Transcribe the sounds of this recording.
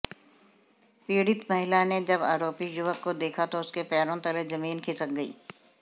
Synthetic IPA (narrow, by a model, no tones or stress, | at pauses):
piːɽɪt̪mɐɦɪlaned͡ʒɐba̰ːɾoːpijʊʋəkːod̪eːkʰat̪oʊskepɛːɾõt̪ɐlezɐmiːnkʰɪsək̚ɡəḭː